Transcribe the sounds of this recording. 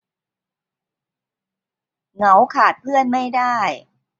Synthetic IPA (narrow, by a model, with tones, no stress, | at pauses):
ŋa˩˦wkʰaː˨˩t̪̚pʰɯ˥˩ənma˥˩jdaː˥˩j